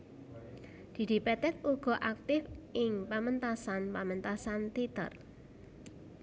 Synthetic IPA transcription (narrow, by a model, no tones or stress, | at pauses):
d̪̥i̤d̪̥i̤pɛt̪ɛk̪̚uɡ̥ɔ̤ʔak̚t̪ɪfʔɪŋpamənt̪asanpamənt̪asant̪it̪ə̰r